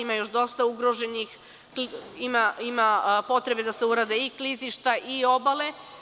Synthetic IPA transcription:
imajo̞ʃd̪o̞st̪auɡɾo̞ʒe̞nix | imaimapo̞t̪ɾe̞be̞d̪ase̞uɾad̪e̞ikliziʃt̪aʔio̞bale̞

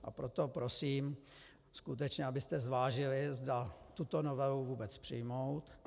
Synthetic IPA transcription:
ʔa̰pɾot̪opɾo̞siːm | skut̪ɛt͡ʃɲɛabɪst̪ɛzvaːʒɪlɪzdat̪ut̪onovɛluvuːbɛt͡spr̝̥ɪ̰jmowt̪

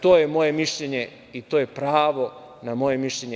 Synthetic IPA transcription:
t̪oːjemo̞jemiʃʎeɲe | it̪ojepɾaːʋo̞ | namo̞jemiʃʎeɲe

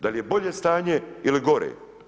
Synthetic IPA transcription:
d̪alije̞bo̞ʎe̞st̪aːɲeiliɡo̞ɾḛː

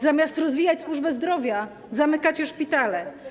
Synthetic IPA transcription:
zamʲjast̪ɾɔzvʲijat͡ɕswuʐbɛzd̪ɾɔvʲja | zamɘkat͡ɕɔʂpʲit̪alɛ

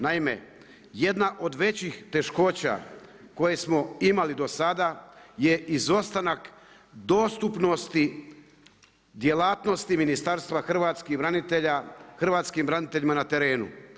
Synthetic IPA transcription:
naime̞̰ | je̞d̪naʔo̞d̪ʋe̞t͡ɕixt̪eʃko̞ːt͡ɕa̰ | ko̞je̞smo̞imalid̪o̞sad̪aje̞ʔizo̞st̪anak | d̪o̞ːst̪upno̞st̪i | d̪je̞laːt̪no̞st̪iminist̪aɾst̪ʋaxr̩ʋaːt̪skibɾanit̪eʎaxr̩ʋaːt̪skimbɾanit̪eʎimanat̪e̞ɾe̞ːnṵ

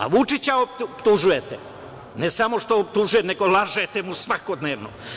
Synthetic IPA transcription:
a̰ʋut͡ʃit͡ɕaoppt̪uʒujet̪e | nesamo̞ʂt̪oːp̚t̪uʒujene̞ɡo̞laʒet̪emusʋako̞d̪neːʋno̰

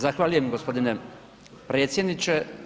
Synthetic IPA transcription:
zaxʋaːʎujemɡospo̞d̪ine | pɾet̪sʲje̞d̪nit͡ʃe

